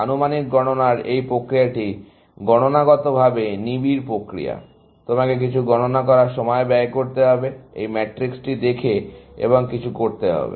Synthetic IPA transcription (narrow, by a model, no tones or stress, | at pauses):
anumanikɡɔnonaɾejpɾokɾijaʈi | ɡɔñonaɡɔt̪obʱabenibiɾpɾokɾḭja̰ | t̪omakek̬it͡ɕʰuɡɔnonak̬ɔɾaɾʃɔmɔebɛekoɾt̪eɦɔbeḛjmɛʈɾiksʈid̪ekʰeḛboŋkit͡ɕʰukoɾt̪eɦɔ̰bḛ